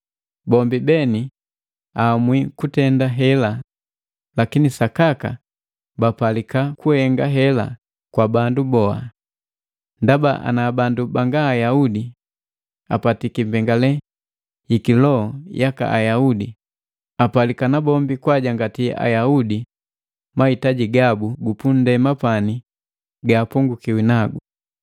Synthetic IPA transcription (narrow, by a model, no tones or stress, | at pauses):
bɔmbibɛni | aːmwikutɛndaɦɛla | lakinisakaka̰ | bapalikakuhɛŋɡaɦɛla̰ | kwabandubɔa̰ | ndabaʔa̰nabandubaŋɡaːjaudi | a̰patikimbɛŋɡalɛ | ikilɔjaka̰ʔajaudi | apalikanabɔmbikwaɟaŋɡatia̰jaudi | mahitaɟiɡabuɡupun̩dɛmapani | ɡaːpuŋɡukiwinaɡu